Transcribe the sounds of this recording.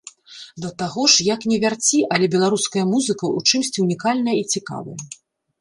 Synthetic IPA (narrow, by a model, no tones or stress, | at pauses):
d̪ɐt̪aɣɔʂjaknʲɛvʲart͡sʲiʔɐlʲɛbʲɛlˠaɾuskɐjɐmuzɨkɐut͡ʂɨmsʲt͡sʲiunʲikalʲnɐjɐit͡sʲika̰vɐ̰jɐ